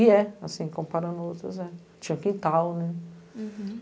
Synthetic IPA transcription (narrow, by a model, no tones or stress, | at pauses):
iɛasĩkõpaɾɐ̃nowt̪ɾɐ̰zɛ | t͡ʃĩɲɐ̃kĩt̪awnɛ